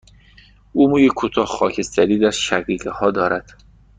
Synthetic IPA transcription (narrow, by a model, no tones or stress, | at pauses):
uːmujekʰut̪ʰɒːhxɒːcʰest̪ʰæɾiːd̪æɾʃæɣiːɡehɒːd̪ɒːɾæd̪̥